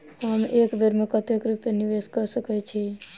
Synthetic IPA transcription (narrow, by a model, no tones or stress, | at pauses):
ɦəmekbʱeɾmekət̪ekɾupːeniʋeskəɾsəkɛt͡ʃʰi